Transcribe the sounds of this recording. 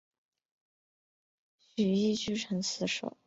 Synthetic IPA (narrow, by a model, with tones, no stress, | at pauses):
ɕy˨˩i˥˩t͡ɕy˥ʈ͡ʂʰɤ˧˥ŋt͡sʰɹ̩˧˥ʂo̰˨˩˦ʊ